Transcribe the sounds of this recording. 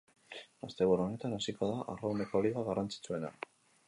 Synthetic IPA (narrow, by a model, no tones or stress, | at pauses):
ast̪e̞βuɾo̞ne̞t̪anasiko̞ðaʔarawne̞ko̞liɣaɣarant͡si̥t͡sue̞na̰